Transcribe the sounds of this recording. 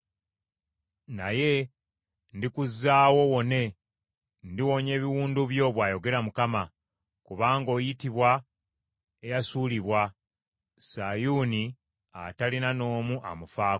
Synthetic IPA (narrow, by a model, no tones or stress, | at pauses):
naje̞ | ndikuzːaːwo̞wo̞ne̞ | ndiwo̞ɲe̞ːβiwuːnduβjo̞βwaːjo̞ɡe̞ɾamukama | kuβaːŋɡo̞ːjitiβwa | e̞jasuːliβwa | sajuni | a̰talinano̞ːmuʔa̰mufaː